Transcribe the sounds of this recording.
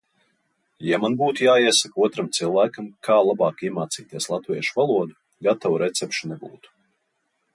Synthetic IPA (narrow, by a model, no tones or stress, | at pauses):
jamanbuːt̪ujaːiɛsakuɔt̪ɾamt̪silˠvæːkamkʰaːlˠabɑːkiɛmaːt̪siːt̪iɛslˠat̪viɛʃuvalˠuɔd̪u | ɡat̪awuɾʔɛt̪sɛpʃunɛbṵːt̪u̥